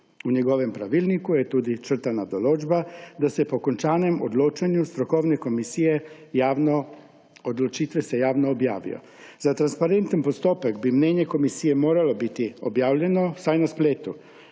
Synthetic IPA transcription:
uɲɛɡoʋɛmpɾaʋiːlnikujɛt̪uːd̪it͡ʃər̩t̪anad̪oloːd͡ʒbad̪asɛpokont͡ʃaːnɛmod̪loːt͡ʃeɲjust̪ɾokownɛkomisijɛ | jaːʋno | od̪lot͡ʃiːt̪ʋɛsɛjaːwnɔːbja̰ːʋḭjo̰ | zat̪ɾanspaɾent̪ənpost̪oːpəɡbimneːɲɛkomisijɛmoːɾalobit̪iobjaːwʎʲɛnosajnaspleːt̪u

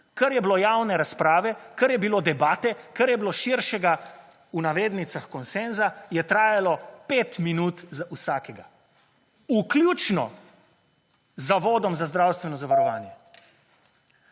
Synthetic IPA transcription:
kɐɾjɛblojaːwnɛɾaspɾaːʋɛkɐɾjɛbiloːd̪ɛbaːt̪ɛkɐɾjɛbiloʃiɾʃɛɡa | unaʋeːd̪nit̪saxkɔnsenzajɛt̪ɾaːjalɔpet̪minuːt̪zausaːkɛɡa | uklʲjuːt͡ʃnɔ̰ | zːaʋoːd̪ɔmzazd̪ɾawst̪ʋɛnɔzaʋaɾɔʋaːnjɛ

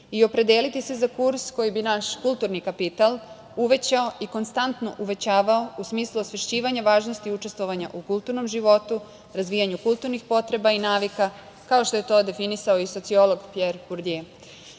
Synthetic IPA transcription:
io̞pɾe̞d̪eːlit̪ise̞zakuɾsko̞jibinaʃkulˠt̪uɾnikapit̪alˠ | uʋe̞t͡ɕao̞ʔiko̞nst̪ant̪no̞̰ʔuʋe̞t͡ɕaːʋao̞usmiːslˠuosʋeʃt͡ɕiːʋaɲaʋaːʒnost̪iut͡ʃe̞st̪ʋo̞ʋaɲa̰ʔukulˠt̪uɾno̞mʒiʋo̞t̪u | ɾazʋijaɲukulˠt̪uɾnixpo̞t̪ɾe̞bainaːʋika | kaoʃt̪oje̞t̪o̞d̪e̞finisaoiso̞t̪sio̞lo̞ɡpjeɾpuɾd̪e

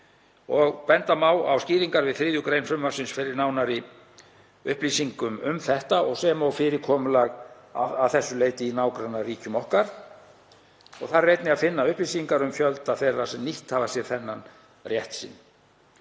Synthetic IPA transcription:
ɔɣpɛnt̪amaːwawsciːðiŋkaɾvɪðθɾɪːðjʏkɾejnfɾʏmvaɾ̥sɪnsfɪɾɪɾnaːwnaɾi | ʏ̰hpliːsiŋkʏmʏmθɛht̪aɔɣsɛːmawfɪɾɪkʰɔːmʏlaɣ | aavθɛsːʏleːjt̪ɪinaːwkɾanːariːcʏmɔhkaɾ̥ | ɔɣθarejt̪nɪaðfɪnːaʏhpliːsiŋkaɾʏmfjœlt̪aθɛrːasɛmniht̪havasjɛɾ̥θɛnːan | rjɛht̪sɪ̰nː

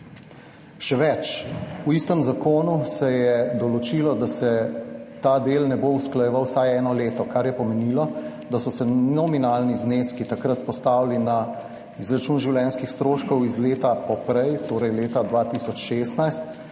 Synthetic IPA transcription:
ʃɛʋɛt͡ʃuist̪əmzakoːnusɛjɛd̪ɔlɔt͡ʃilɔd̪asɛt̪aːd̪eːlnɛbousklajɛʋawsajɛːnɔleːt̪ɔkaɾjɛpɔmɛniːlɔ | d̪asɔsɛnɔminaːlnizneskit̪akɾət̪pɔst̪aːwlina | izɾat͡ʃuːnʒiwljɛːnskixst̪ɾoːʃkɔwizleːt̪apɔpɾɛjt̪oːɾɛjleːt̪ad̪ʋaːt̪isɔt͡ʃʃeːst̪najst̪

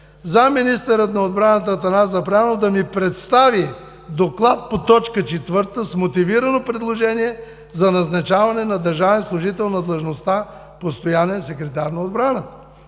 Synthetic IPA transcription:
zaminist̪əɾət̪nɐod̪bɾanət̪ət̪ɐnazɐpɾanod̪ɐmipɾɛt̪st̪avi | d̪oklˠat̪̚pot̪ɔt͡ʃkət͡ʃɛt̪vɤɾt̪əsmot̪iviɾɐnopɾɛd̪lˠoʒɛniɛ | zɐnɐznɐt͡ʃavɐnɛnɐd̪ɐɾʒavɛnslˠʊʒit̪ɛlˠnɐd̪lˠeʒnost̪a | post̪ojanɛsɛkɾɛt̪aɾnɐod̪bɾanət̪ə̥

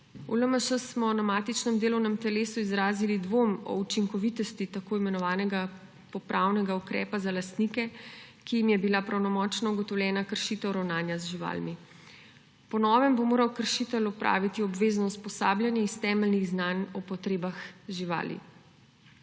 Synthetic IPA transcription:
uləməʃəsmɔnamaːt̪it͡ʃnɛmd̪eːlɔwnɛmt̪ɛleːsuizɾaːzilid̪ʋomɔ̰ut͡ʃiŋkɔʋit̪ɔst̪it̪akoːimɛnɔʋaːnɛɡa | pɔpɾawnɛɡaukɾɛ̰ːpazalast̪nikɛkijimjɛbilapɾawnɔmɔːt͡ʃnɔuɡɔt̪ɔwlʲjɛːnakəɾʃit̪ɛwɾawnaːnjazʒiʋa̰ːlmi | pɔnɔːʋɛmbomoːɾawkəɾʃit̪ɛlɔpɾa̰ːʋit̪iɔbʋeːznɔuspɔsaːbljanjɛist̪ɛːmɛlniɣznanɔpɔt̪ɾeːbaxʒiʋa̰ːlḭ

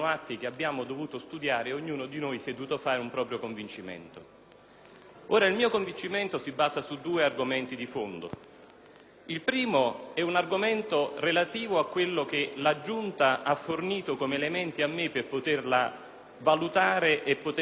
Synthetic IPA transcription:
oat̪ːik̟eabːjaːmod̪ovuːt̪ost̪ud̪jaːɾeoɲːuːnod̪inojsiɛd̪vuːt̪ofaːɾeumpɾɔːpɾjokoɱvint͡ʃimɛ̰nt̪o | oːɾailmiːokoɱvint͡ʃimɛnt̪osibːaːzasud̪ːuːearɡomɛnt̪id̪ifond̪o̰ | ilpɾiːmoɛunarɡomɛnt̪orelat̪iːvoakːwelːokelad͡ʒːunt̪aʔafːorniːt̪okomeːlemɛnt̪iamːepːerpot̪erla | valut̪aːɾeʔepːot̪

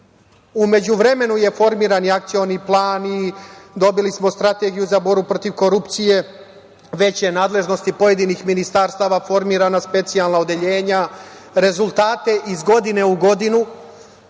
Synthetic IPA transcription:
ume̞d͡ʑuʋɾe̞me̞nuje̞fo̞ɾmiːɾaniak̚t̪sijo̞niplˠaːnid̪o̞bilismo̞st̪ɾat̪e̞ɡijuzabo̞ɾbupɾo̞t̪iʋko̞ɾupt̪sije̞ | ʋe̞t͡ɕjenaːd̪le̞ʒno̞st̪ipo̞je̞d̪inixminist̪aɾst̪aːʋafo̞ɾmiːɾanaspe̞t̪sialˠnao̞d̪e̞ʎe̞ːɲa | ɾe̞zulˠt̪aːt̪e̞ʔizɡo̞d̪ine̞uɡo̞d̪inu

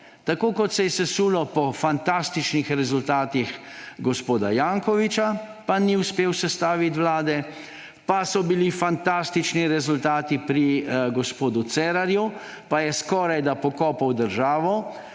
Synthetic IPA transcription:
t̪akoːkɔt̪sɛjɛsɛsuːlɔpɔfant̪ast̪it͡ʃnixɾɛzult̪aːt̪ixɡɔspoːd̪ajaːŋkɔʋit͡ʃa | paniuspeːwsɛst̪aːʋit̪ʋlaːd̪ɛ | pasɔbilifant̪aːst̪it͡ʃniɾɛzult̪aːt̪ipɾiɡɔspoːd̪ut̪sɛːɾaɾju | pajɛskɔːɾajd̪apɔkɔːpawd̪əɾʒaːʋɔ

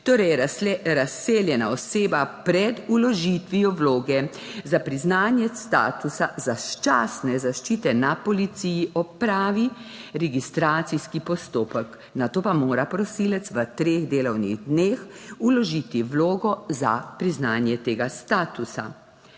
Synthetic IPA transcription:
t̪oːɾɛjɾaseːljɛnaɔseːbapɾɛd̪ulɔʒit̪ʋijɔʋloːɡɛ | zapɾiznaːnjɛst̪a̰ːt̪usazaʃt͡ʃaːsnɛzaʃt͡ʃiːt̪ɛnapɔlit̪siːjiʔɔpɾaːʋiɾɛɡist̪ɾaːt̪siskipɔst̪oːpək | nat̪oːpamoːɾapɾɔsiːlɛt̪sʋət̪ɾeːɣd̪eːlɔwnḭɣd̪neːxulɔʒiːt̪iʋloːɡɔza̰pɾiznaːnjɛt̪eːɡast̪aːt̪usa̰

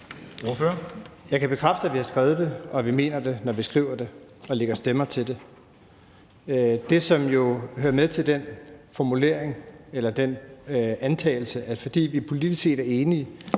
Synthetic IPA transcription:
oføɐjɑ̈ɪkʰæb̥e̝kʰʁafd̥əæʋihɑ̈sɡ̥ʁaːʊð̞̩ˠd̥e̝ɒ̽ʋime̝̰ːnɐd̥e̝nɒʋisɡ̥ʁḭːʊ̰ɐd̥e̝ɒ̽le̝ɡ̥ɐsd̥emɐt͡sʰe̝ld̥e̝ | d̥e̝sɒ̽mjo̝høːɐmeðˠt͡sʰe̝ld̥enfɒmule̝̰ɐ̰e̝ŋelɐd̥enænt͡sʰɛ̰ːɪl̩səæ̥fɒ̽d̥ḭːʋipʰo̝lid̥isse̝̰ːd̥æɐe̝ːniə

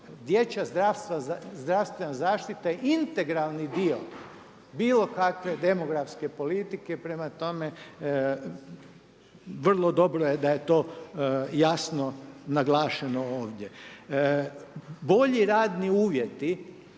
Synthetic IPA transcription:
d̪jet͡ɕazd̪ɾast̪ʋazd̪ɾaʋst̪ʋenazaːʃt̪it̪ajeint̪e̞ɡɾalˠnid̪io | biːlˠo̞kakʋe̞d̪e̞mo̞ɡɾafske̞po̞lit̪ike̞pɾe̞mat̪o̞me̞ | ʋr̩lˠo̞d̪o̞bɾojed̪aje̞t̪o̞ː | jasnonaɡlˠaːʃeno̞oːʋd̪je̞ | bo̞ʎiɾaːd̪niuːʋje̞t̪i

